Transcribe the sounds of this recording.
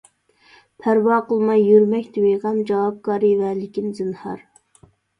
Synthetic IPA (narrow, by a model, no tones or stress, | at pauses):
pʰæɾwɑːqəlˠmɑjːyɾmɛkʲt̪ʰɪweʁɑmd͡ʒɑwɑp̚kɑːɾɨvɛlɪkʲinzɨnhɑ̰ɾ